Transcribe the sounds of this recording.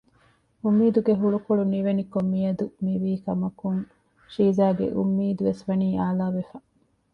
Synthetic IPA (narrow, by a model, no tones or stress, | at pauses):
umːiːd̪uɡeɦuɭukoɭuniʋenikomːijɐd̪umiʋiːkɐmɐkuŋ | ʃiːzaːɡḛʔṵmːiːd̪uʋesʋɐniːʔaːlaːʋefɐ